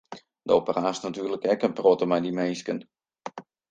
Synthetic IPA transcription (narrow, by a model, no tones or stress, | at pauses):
dəopəraːsnatyːrləkɛkənprɔtəmɛjdimejskən